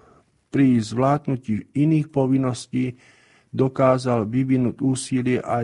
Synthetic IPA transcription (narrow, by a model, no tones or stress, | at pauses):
pɾizʋlaːd̪nuciːiniːxpɔʋinːɔsciː | d̪ɔkaːzalʋiʋinuːɟuːsilɪɛʔa